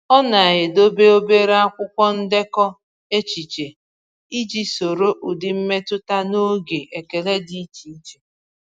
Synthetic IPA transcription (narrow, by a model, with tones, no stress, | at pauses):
ɔ˦na˨ɣɪ˨do˦be˦o˦be˦ɾa˦kʷʊ˦kʷɔ˦n̩˦dɪ˦kɔ˦ | e˦t͡ʃi˨t͡ʃe˨ | i˦d͡ʒi˦so˨ɾo˦ʔu˨dɪ˨m̩˦me˦tʊ˦ta˦no˦ɡe˨ʔe˨ke˨le˦di˦i˦t͡ʃi˨˦t͡ʃe˦